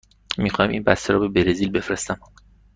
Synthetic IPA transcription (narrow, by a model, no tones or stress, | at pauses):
mixɒːjmʔḭːnbæst̪eɾɔ̰ːbe̞beɾezilbe̞fɾest̪æm